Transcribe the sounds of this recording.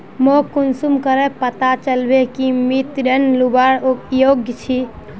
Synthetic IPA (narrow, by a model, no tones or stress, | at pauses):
mokunsumkəɾɛpət̪at͡ʃəlbekimit̪ɾənlubaɾojoɡjt͡ʃʰi